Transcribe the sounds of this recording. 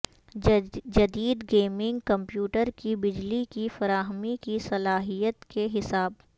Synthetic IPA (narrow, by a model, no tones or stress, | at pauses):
d͡ʒɐd̪iːd̪ɡeːmɪ̃ŋɡkɐ̃mpjuːʈəɾkibɪd͡ʒlikifɐɾaːɦəmikisɐlaːɦijət̪keɦɪsaːb̚